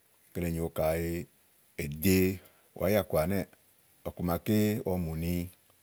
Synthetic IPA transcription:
ke˨˧le˨ɲĩ˨wo˧ka˨je˧ | e˨d̪e˦ | w̰a˨˦ja˦˨ku˨a˨nɛ˦˨ | ɔ˨ku˨mã˧ke˦wʔɔ˧˦mũ˨nĩ˧

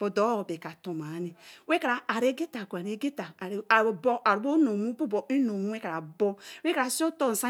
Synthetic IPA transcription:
b̥o˨do˨˦o˨be˨ka˨to˨ma˨˦ni˨we˦ka˨ɾaː˨ɾe˦ɡe˦ta˨kʷa˨ne˨˦ɡe˦ta˨ɾbo˦a˨ɾbo˦no˨mu˦bu˦bo˨i˦no˨mu˦we˦ka˨ɾa˨bo˦e˦ka˨ɾa˨si˦o˦to˦n̩˨sa˦

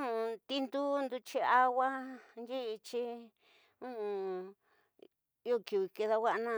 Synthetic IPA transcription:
ũ˦˧t̪i˦nd̪u˦nd̪u˧t͡ʃi˦a˦˧wa˦nd͡ʒi˦˧t͡ʃi˦ | ũ˦ũ˧ | i˦o˦˧ki˧˨βi˧˨ke˧ða˧wʷa˦˧nã˦˧

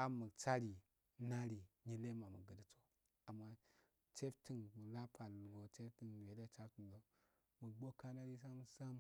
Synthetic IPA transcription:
a˦mə˨t͡sa˦ɾi˨ | na˦ɾi˨ɲi˦le˦ma˨mṵ˨ɡə˨di˦t͡so˦ | a˨mːa˦ | t͡ʃe˦fti˨nmu˨la˦pʰa˨lɡo˨t͡ʃe˦fti˨n˨we˨de˦˨t͡ʃa˦ti˨n˨do˦ | mə˨ɡ͡bo˦ka˦na˦ɾi˦s̬a˦m˨sa˦m

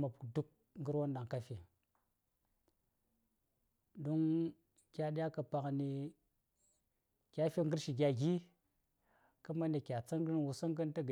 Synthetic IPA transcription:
ma˨pdu˦k̚ | ŋɡə˦ɾwo˦nda˨ŋka˦fi˨ | do˦ŋ | kʲa˨ɗi˦ja˦ka˨pa˨kni˨ | kʲa˦fi˦ŋ˦ɡə˦ɾʃi˨ɡʲa˨ɡʲi˦ | ka˦ma˦ne˨kʲa˨t͡sa˦ŋ˦ɡi˦nwu˨sa˦ŋɡə˦n˦ta˦ɡ

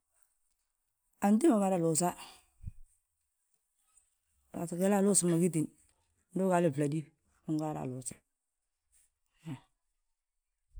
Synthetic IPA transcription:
a˨nti˦ma˨ma˨ɾa˨lu˨sa˦ | a̰˨ske˦la˦˨lu˦su˨ma˨ɡi˦t̬i˨n | ndu˦ka˨lɪ˦fla˨di˦ | u˦ŋɡa˦˨ɾa̰˨lu˨sḁ˨

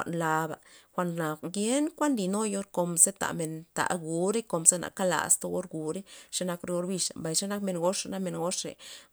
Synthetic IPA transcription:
a̰˨ʔnla˧ba̰˨xʷa˧˨nna˨ɡje˦nkʷa˦nd̪i˧˨no˦jo˦ɾko˧mze˦t̪a̰˨me˨nt̪a̰˨ɡu˨ɾe˦ko˧mze˦na̰˨ka˦la̰˨st̪o˦ɡo˦ɾɡu˨ɾe˦ʂe˦na˧kɾe˧o˧ɾbi˧ʂa˨mba˨jʂe˦na˦kme˨nɡo˦ʂna˦me˧nɡo˦ʂḛ˨

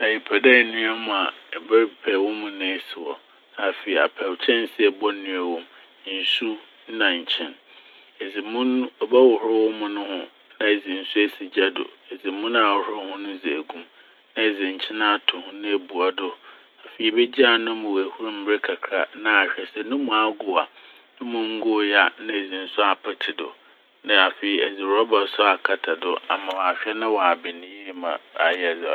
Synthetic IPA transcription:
ã˨ɪ˨pʰɛ˨dɛ˦˨nũ˦a˦mʊ̃˨a˨ɛ˨bɛ˦ɾpʰɛ˨wɔ˦mʊ̃˨nʊ̃˦ɛ˦˨sɪ˨wɔ̰˨ | a˨fe˨i˨a̰˨pʰɛ˨wt͡ɕʰɛ̃˦n˦sɪ˦ɛ˨bɔ˦nĩ˦a˨wɔ̃˦m˦ | n̩˨su˦ | nã˨ɲ̩˨t͡ɕʰɛ̃˦˨n | ɛ˨d͡zɪ˨mũ˦n˦ɔ˨bɛ˦wɔ˨hʊ˦ɔ˦wʊ˦mʊ̃˦nʊ̃˦hʊ̃˦ | nã˦e˨d͡zɪ̃˨n̩˨su˦æ˦si˨d͡ʑa˦dʊ̰˨ɛ˨d͡zɪ˨mũ˦na˨ɔ˨hʊ˦ʊ˦hʊ̃˦nʊ̃˦d͡ze˨æ˨ɡũ˦m | nã˦e˨d͡zɪ̃˨ɲ̩˨t͡ɕʰɪ˦nã˦˨tʰʊ̃˨hʊ̃˦nã˦e˨bu˨a˨dʊ˦ | a˨fe˨i˨bɛ˦d͡ʑi˦a˦˨nʊ̃˦mʊ̃˨wæ˨hu˦ɾʊ̃˦m̩˦e˦kʰa˨kʰɾa˨nã˦a˨ɕᶣɛ˨sɛ˦nʊ̃˦mʊ̃˨a˨ɡʊ˨a˨ | nʊ̃˦mʊ̃˦ŋ̩˦ɡʊ˦ja˦nã˦e˨d͡zĩ˨n̩˦sʊ˦a˨pʰa˨tʰɪ˨dʊ̰˨ | nã˨a˨fe˨i˨ɛ˨d͡zi˨ɾɔ˦ba˨sʊ˦a˨kʰa˨tʰa˨dʊ˦a̰˨mã˨wa˨ɕᶣɛ˦nã˦wɔ˨a˨bɪ˨nɪ̃˨ji˦˨mã̰˨a̰˨jɛ˦˨d͡z

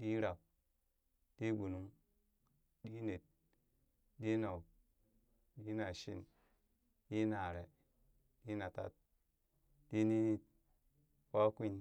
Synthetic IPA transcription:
di˦ɾa˨k̚ | d̥i˦ɡu˨nu˦ŋ | ɗi˦ne˨t̚ | di˦na˨k | di˦na˨ʃḭ˦n | di˦na˨ɾe˨ | di˦na˨ta̰˦t̚ | d̥i˦ni˦ni˨t̚ | wa˦ki˦ɲ

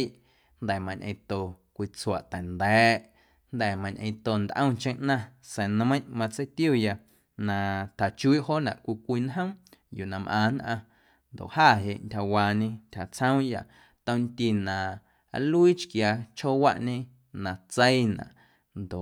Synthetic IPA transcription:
i˦ʔ | nd̪ɛ˨mã˧ɲʔə̃˧t̪o˨kʷi˧t͡swa̰˨ʔt̪ɛ˨nd̪ɛː˨˦ʔ | nd̪ɛ˨mã˧ɲʔə̃˧t̪o˧˨nd̪ʔə̃˦˧t͡ʃẽ˦ʔnã˦˧sẽ˨ñ˧mə̃˦j̃ʔmã˧t͡sə˦jt̪ju˦˨ja˧ | nã˧t̪ʰa˨t͡ʃu˦i˦ʔɦo˦nã̰˨kʷi˧kʷi˧nɦə̃˦juː˨nã˧mʔã̰ː˧˨nʔã˧ | nd̪o̰˨ʔhaː˦˨ɦe˧ʔntʲha˨waː˧ɲẽ˧ntʲʰha˨t͡sʰə̃˦w̃ja˧ | t̪ə̃˧nt̪i˧nã̰˨˦ | lu˦i˦t͡ʃkja˧t͡ʃho˦wa˦ʔɲẽ˦˧ | nã˧t͡se˦i˦nã̰˨ʔ | nd̪o˨ʔ

